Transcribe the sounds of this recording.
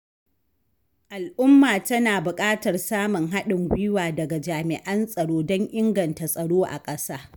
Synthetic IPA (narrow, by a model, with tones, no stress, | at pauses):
ʔa˨lʔʊ˦mːaː˨tɐ˦naː˨bʊ˨kʼaː˦tɐ˨rsaː˦mʊ˨ŋɦa˦ɗɪ˨ŋɡʷʊ˦jɪ˦waː˨dɐ˨ɡa˨d͡ʒaː˨mɪ̰˨ʔɐ˦nsʼɐ˨ɽoː˦dɔ˦ŋʔɪ˦ŋɡɐ˨nta˨sʼɐ˨ɽoː˦ʔa̰˨kʼɐ˦saː˦